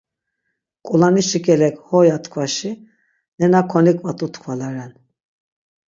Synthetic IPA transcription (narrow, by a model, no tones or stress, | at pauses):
kʼulaniʃikʲʰʼɛlɛkhɔjat̪kʰvaʃi | nɛnakʰɔnikʼmat̪ʼut̪kʰvalaɾɛn